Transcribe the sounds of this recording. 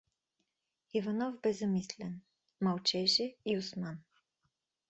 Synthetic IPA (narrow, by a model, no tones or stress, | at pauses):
ivanɔvbɛzɐmislʲɛn | malt͡ʃɛʒɛiusman